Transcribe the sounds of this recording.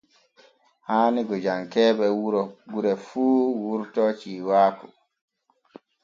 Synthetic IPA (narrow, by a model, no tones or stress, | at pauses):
haːniɡɔd͡ʒaŋkɛːɓɛwuɾɔɡuɾɛfuːwuɾtɔt͡ʃiːwaːkɔ